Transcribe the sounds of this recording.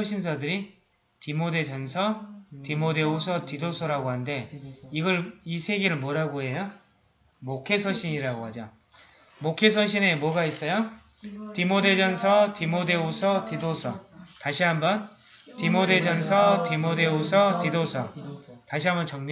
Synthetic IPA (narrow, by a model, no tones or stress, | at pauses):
ʌɕʰins̬ʰadɯɾi | timode̞d͡ʑʌnsʰʌtimodeosʰʌtidosʰʌɾaɡoɦande̞iɡʌɭisʰe̞ɡe̞ɾɯɭmʌɾaɡoɦe̞jo | mokʰe̞sʰʌɕʰiɲiɾaɡoɦad͡ʑo | mokʰe̞s̬ʰʌɕʰine̞mwʌɡais͈ʌjo | timode̞d͡ʑʌnsʰʌtimode̞osʰʌtidosʰʌtaɕʰiɦambʌn | timode̞d͡ʑʌns̬ʰʌtimode̞osʰʌtidosʰʌtaɕʰiɦambʌnt͡ɕʌŋɲ